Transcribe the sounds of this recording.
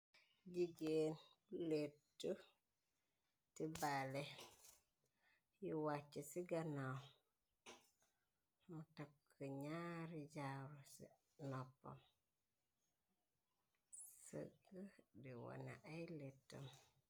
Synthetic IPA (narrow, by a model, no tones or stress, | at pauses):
d͡ʒiɡenletːu | tibale | jiwat͡ʃːisiɡana | mutap̚kːəɲaɾid͡ʒaɾusḭ | nɔpːo̰m | sə̰ɡədiwa̰na̰ʔajletːo̰m